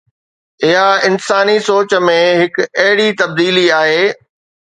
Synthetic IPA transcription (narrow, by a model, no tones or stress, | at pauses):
ɪɦaɪnsaːnisoːt͡ɕmẽɦɪkɐɦɪɽit̪ɐb̚d̪iːliaːɦeː